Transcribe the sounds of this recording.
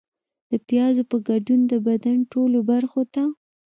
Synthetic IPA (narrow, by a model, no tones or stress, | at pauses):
d̪̥əpjɑzopəɡaɖund̪əbad̪anʈolobaɾxot̪a